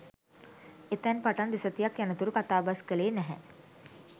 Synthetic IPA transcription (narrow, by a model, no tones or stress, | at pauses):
et̪ɛnpɐʈɐnd̪ɪsət̪ijɐkjɐnət̪uɾukɐt̪aːbɐskəleːnɛɦɛ̰̃